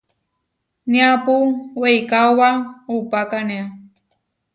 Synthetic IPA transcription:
niapuwejkawwaupakania

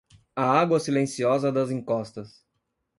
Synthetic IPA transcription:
ɐaɡwɐsilẽsiɔzɐd̪ɐzĩŋkɔst̪ɐs

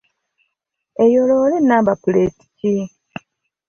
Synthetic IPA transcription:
ejoloːlenːabapuleti̥ci

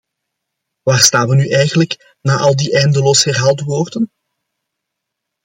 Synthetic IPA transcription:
ʋaːrstaːnʋənyʔɛjɣənlək | naːʔɑlˠdiʔɛjndəloːshɛrɦaːlˠtʋoːrdən

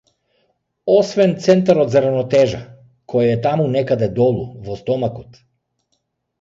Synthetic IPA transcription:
ɔsvɛnt̪sɛnt̪aɾɔd̪zaɾanɔt̪ɛʒa | kʰɔjaɛt̪amunɛkad̪ɛd̪ɔlˠuvɔst̪ɔmakɔt̪

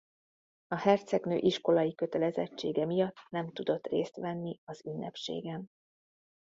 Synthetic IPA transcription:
ɒhɛrt̪sɛɡnø̰ːʔiʃko̞lɒjikø̞t̪ɛlɛzɛ̰t͡ʃːeːɡɛmijɒt̪ːnɛmt̪ud̪o̞t̪rḛːst̪ʋɛnːiɒzynːɛ̰pʃḛːɡɛn

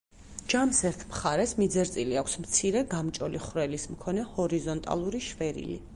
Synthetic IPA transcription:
d͡ʒamsɛɾt̪ʰmχaɾɛsmid̪zɛɾt̪sʼiliakʷʰsmt̪sʰiɾɛɡamt͡ʃʼɔliχɾɛlismkʰɔnɛhɔɾizɔnt̪ʼa̰lˠuɾiʃvɛɾḭli

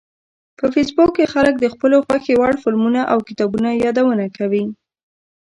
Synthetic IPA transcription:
pəfesbukːexalək̚d̪əxpəloxwaxewaɽfɪlmunaʔawkɪt̪ɑbunajɑd̪awənakawi

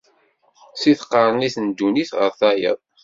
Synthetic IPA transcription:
siθqːəɾˤniθənd̪ːuniθʁə̰ɾθæjə̰ðˤ

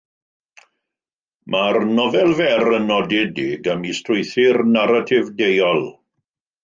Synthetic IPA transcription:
marnɔvɛlˠvɛɾənɔdɛdɪɡamistrʊjθɪrnaɾatʰɪvdejɔlˠ

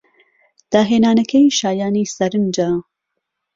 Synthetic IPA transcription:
d̪̥aːɦeːnaːnɐkʰɐjʃaːjaːniːsɐɾɨnd͡ʒaː

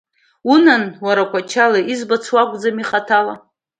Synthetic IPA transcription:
unanwaɾakʷʰat͡ʃʰalaʔizbat͡sʰwakʷʼd͡zamiχatʰala

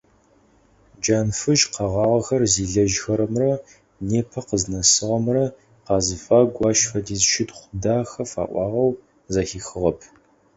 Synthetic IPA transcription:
d͡ʒaːnfɨʒqɑʁɑːʁɐxɐrziːɮɐʒxɐɾɐmrɐ | neːpʰɐqəznɐsɨʁɐmrɐ | qɑːzɨfaːɡʷɑːʃfɐdiːzʃɪtχʷʊdaːxɐfa̰ːʔʷɑ̰ːʁɐw | zɐxiːxɨʁɐpʰ

